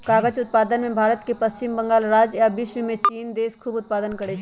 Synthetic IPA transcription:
kaːɡət͡ʃʊt̪̚paːd̪ənmẽbʱaːɾət̪kepɐst͡ʃɪmbə̃ŋɡaːlɾaːd͡ʒjabɪʃʋəmẽt͡ʃiːnd̪eːskʰuːbʊt̪̚paːd̪ənkəɽet͡ʃʰ

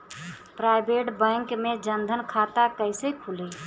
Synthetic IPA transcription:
pɾajbeʈbə̃ŋkmed͡ʒənd̪ʱənkʰat̪akəɪsekʰuli

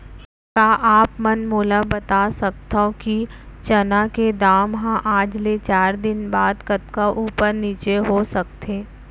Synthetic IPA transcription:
kaːʔaːpmɐnmoːlabɐt̪asɐk̚t̪aki | t͡ʃɐnaked̪aːmɦãʔaːd͡ʒlet͡ʃaːɾd̪ɪnbaːd̪kɐt̪kaʔuːpəɾniːt͡ʃeɦosɐk̚t̪ʰeː

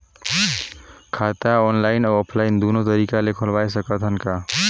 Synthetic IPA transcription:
kʰat̪aonlajnoopʰlaind̪unot̪ʌɾikalekʰolbajsʌkʌt̪ʰənka

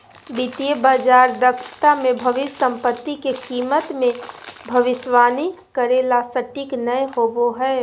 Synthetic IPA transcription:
bit̪ijəbaːd͡ʒaːɾd̪əkʃt̪amẽbʱɐʋɪsə̃mpət̪ːikekiːmət̪mẽbʱɐʋɪʃʋaːni | kəɾeːlasəʈɪknəjɦoːboɦɛː

